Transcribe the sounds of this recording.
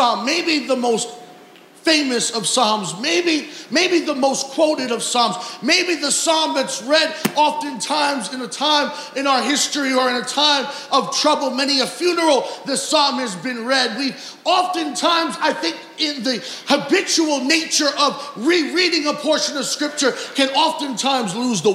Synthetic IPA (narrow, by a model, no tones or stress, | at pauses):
ɑmːeɪbiðəmoʊst | fẽɪ̃mɨsʌv̥sɑ̃mzmeɪbimeɪbiðəmoʊskʰw̥oʊɾɨɾʌv̥sɑ̃mz̥meɪbiðəsɑ̃mðɨtsɹɛɾɑfɨ̃ntʰãɪ̃mzɨ̃nɨtʰãɪ̃m | ɨ̃ñaʊə˞ɦɪstɹ̥iə˞ɨ̃nɨtʰãɪ̃mʔʌv̥tʰɹ̥ʌbl̩ˠmɛniɨfjʉnə˞l̩ˠðɨsɑ̃mɨzbɨ̃nɹɛd̚wi | ɑfɨ̃ntʰãɪ̃mzaɪθɪ̃ŋk | ɪ̃nðɨ | həbɪt͡ʃul̩ˠneɪt͡ʃə˞ʔʌvɹiɹiɾɪ̃ŋəpʰɔɹʃɨ̃nʌv̥skɹɪp̚t͡ʃə˞kʰɨ̃nɑfɨ̃ntʰãɪ̃mzluzðə